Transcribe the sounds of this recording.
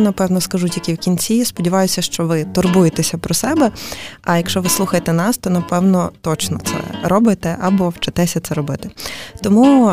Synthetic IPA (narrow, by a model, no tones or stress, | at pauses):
nɐpɛwnɔskɐʒutʲikʲiwkʲinʲt͡sʲispɔdʲiʋɑjʊsʲɐʃt͡ʃɔʋɪt̪ɔrbujet̪esʲɐpɾɔsɛbɛɐjɐkʃt͡ʃɔʋɪslˠuxɐjet̪ɛnɑst̪ɔnɐpɛwnɔt̪ɔt͡ʃnɔt̪sɛ̰ɾɔbɪt̪ɛʔɐbɔwt͡ʃɐt̪ɛsʲɐt̪sɛɾɔbɪt̪ɪ̥t̪ɔmu